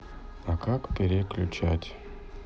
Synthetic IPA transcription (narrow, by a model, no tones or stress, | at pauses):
akakpʲeɾʲeklʲʊt͡ɕatʲ